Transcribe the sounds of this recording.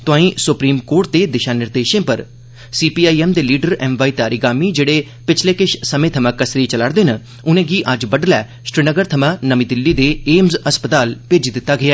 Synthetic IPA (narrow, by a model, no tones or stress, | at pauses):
t̪ʊãːĩːsʊpɾiːmkoːɾʈ̚d̪eːd̪ɪʃaːnɪɾd̪eːʃẽːpəɾ | siːpiːaːiːɛːmd̪eːliːɖəɾɛːmʋaːiːt̪ɪaːɾiːɡaːmiːd͡ʒeːɽeː | pɪt͡ʃʰleːkɪʃsəmẽːt̪ʰəmãːkəsɾiːt͡ʃəlaːɽd̪eːnə | ʊnẽːɡiːʔəd͡ʒbəɖlɛː | ʃɾɪnəɡəɾt̪ʰəmãːnəmĩːd̪ɪlːiːd̪eːeːmzəspət̪aːlpeːd͡ʒid̪ɪt̪ːaːɡɪaː